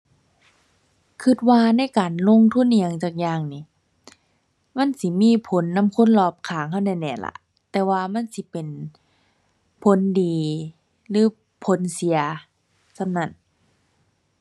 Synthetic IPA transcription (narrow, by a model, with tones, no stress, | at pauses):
kʰɯ˧˩t̪̚waː˧na˧˥˨jkaː˨˩nlo˧˥˨ŋt̪ʰu˧˥˨ni˧a˧˦ŋt͡ɕaː˧˩k̚jaː˧˩ŋniː˧˩ | ma˧˥˨nsi˧˦miː˧˥˨pʰo˨˦nːa˧˥˨mkʰo˧˥˨nlɔː˧˩p̚kʰaː˨˩˦ŋɦa˧˥˨wna˧˩˨nɛː˧˩˨la̰˧˦ | t̪ɛː˧waː˧ma˧˥˨nsi˧˦pe˨n | pʰo˨˦ndiː˨ | lɯː˨˦ | pʰo˨˦nsi˨˦ɐ | sʰa˧˨nna˧˩˨n